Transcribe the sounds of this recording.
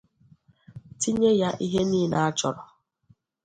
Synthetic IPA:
tʰi˦ɲe˦ja˦ʔi˦ɦe˦niː˦na˦a˦t͡ʃɔ˨ɾɔ˨

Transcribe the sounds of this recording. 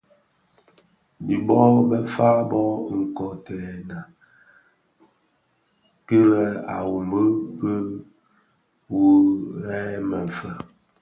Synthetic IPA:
bi˨bɔ˦bɛ˦fa˦bɔ˦ŋ̩˨kɔ˨tɛ˨na˨ | kə˦lɛ˨a̰˨wu˨mbə˦pə˦ | wu˦ɾɛː˦mə˨ɱ˨fə˦

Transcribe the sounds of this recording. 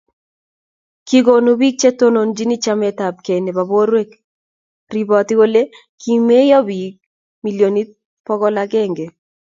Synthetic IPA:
ki˦ɡo˨nu˨bi˦k̚t͡ʃe˦to˦no˨nd͡ʒi˦ni˦t͡ʃa˦mɛ˨ta˨b̚ke˨ne˨ba˨bo˦ɾwe˦k | ri˨bɔ˨t̪i˦ɡo˦le˦ | ki˨me˦jɔ˦bi˨k̚ | mi˨ljo˨ni˦t̚ | pɔ˦ɡɔ˦la˦ɡɛ˦ŋɡe˨

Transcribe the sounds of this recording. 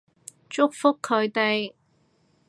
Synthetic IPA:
t͡ʃʊ˥k̚fʊ˥kʰːɵ˨˧ɥt̪e˨j

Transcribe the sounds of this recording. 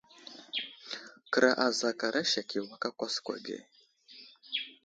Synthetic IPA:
kɨ˨ɾa˨ʔa˨za˨ka˨ɾʔa˦ʃa˨kʰi˨wa˨ka˦kʷa˦skʷa̰˨ɡḛ˨

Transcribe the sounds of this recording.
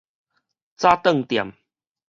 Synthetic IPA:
t͡sa˦t̪ə˥˨ŋt̪ja̰˨˩m

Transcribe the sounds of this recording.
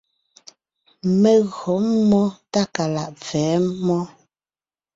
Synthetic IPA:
mɛ˨ɣɔ˨˦m˦mːɔ˦ta˦ka˨la˨ʔvɛː˨˦mɔ˦

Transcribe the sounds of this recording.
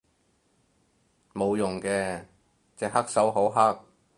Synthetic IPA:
mo˨˧wjʊ˨˩ŋkɛː˧ | t͡sɛː˨k̚hɐ˥k̚sɐ˨˥wɦo˨˥wɦɐ˥k̚

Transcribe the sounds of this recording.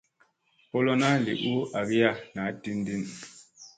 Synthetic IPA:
po˦lo˦na˦˨lḭ˨ʔu˦a˨bi˦ja˦na˨˦ti˦n˦di˦˨n

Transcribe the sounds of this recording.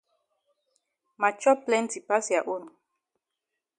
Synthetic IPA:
ma˨t͡ʃɔ˦pːlɛ̃˦ntʰi˨pa˦sja˨ʔo˦n˨

